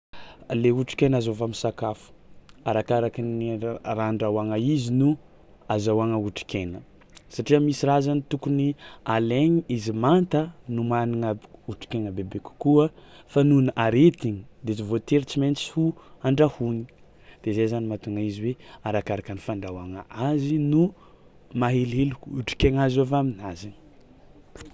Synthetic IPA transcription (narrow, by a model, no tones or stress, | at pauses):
leuʈ͡ʂi̥kenazovamisakafu̥aɾakaɾakiniraːɳɖ͡ʐawaŋaizinu | azawaŋəuʈ͡ʂi̥kenə | saʈ͡ʂiəmisiɾazanit̪ukunialeɲiizimant̪ənumaniŋəuʈ͡ʂi̥kenəbebeku̥kuəfanunəʔaɾet̪iɲid̪et͡ʃivot̪eɾit͡siment͡si̥huaɳɖ͡ʐahuɲi̥ | d̪̥ezejzanimat̪uŋaiziweaɾakaɾakənifaɳɖ͡ʐawaŋə̰ʔazinu | maɦeleluuʈ͡ʂi̥keŋazavaminazani̥